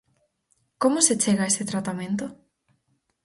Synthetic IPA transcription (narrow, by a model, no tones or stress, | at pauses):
komoset͡ʃeɣaeset̪ɾat̪amẽnt̪o